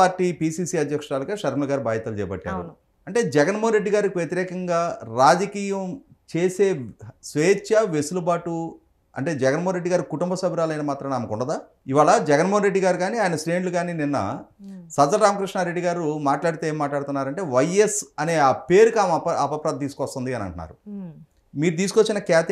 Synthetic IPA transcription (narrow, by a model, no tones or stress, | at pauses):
aːɾʈːiːpiːsiːsiːɐd̪ʱjɐkʂɾaːlɐkaːʃɐɾmlɐɡaːɾubaːjɐt̪ɐlut͡ʃɛ̰ːɐbɐ̰ʈːa̰ːɾṵ | ɐɳʈe̞ːd͡ʒɛɡɐnmoɦnɾe̞ɖːiɡaːɾikiʋjet̪iɾɛːkɐŋɡaːɾaːd͡ʒɐkiːjɐm | t͡ʃe̞ːse̞ːsʋeːt͡ʃːɐʋesulubaːʈu | ɐ̰ɳʈe̞ːd͡ʒɛɡɐnmoɦːnɾe̞ɖːiɡaːɾikuʈumbɐsɐbʱiɾaːlɐjnɐmaːt̪ɾɐmaːmɐkuɳɖɐd̪aː | iʋaːɭɐd͡ʒɛɡɐnmoːɐnɾe̞ɖːiɡaːɾiɡaːniaːjɐnɐsɾeːnluɡaːnininːɐ̰ | sɐd̪ɐlɾaːmɐkɾiʂɳaɾe̞ɖːiɡaːɾumaːʈlaːɽit̪eeːmːaːʈlaːɽut̪unːaːɾɐɳʈe̞ːʋɐjesɐne̞ːaːpe̞ːɾukiaːmpɐɐpɐpɾaːd̪̚t̪iːsu̥kɔst̪ɐnd̪iɐnɐ̰ɳʈunːa̰ːɾu | miːɾut̪̬iːs̬ukot͡ʃːinɐkaːt̪